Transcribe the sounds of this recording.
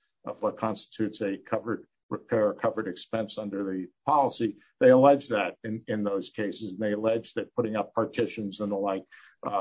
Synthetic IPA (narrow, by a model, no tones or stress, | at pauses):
ʌflʌkʰɑ̃nstə̥tʰʉtsɨkʰʌvə˞d̚ | ɹɨpʰɛɹə˞kʰʌvə˞ɾɨkspɛ̃nsʌ̃ndə˞ðɨpʰɑlˠəsi | ðeɪəlɛd͡ʒðɨɾɨ̃nɪ̃nðoʊz̥kʰeɪsɨzn̩ðeɪəlɛd͡ʒðɨt̚pʰʊɾɪ̃ŋʌpʰɑɹtʰɪʃɨ̃nzə̃nðəlaɪk̚